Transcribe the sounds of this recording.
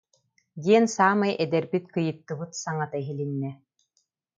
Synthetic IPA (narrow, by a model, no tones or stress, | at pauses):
d̪iɛnsaːmɯjʔɛd̪ɛɾbit̪kɯjɯ̆t̪ːɯbɯt̪saŋat̪aiɦilinːɛ